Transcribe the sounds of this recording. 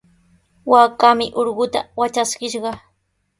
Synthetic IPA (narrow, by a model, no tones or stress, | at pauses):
waːkamɪʔoɾɢʊt̪a̰wat͡ʃaskɪʃɢɑ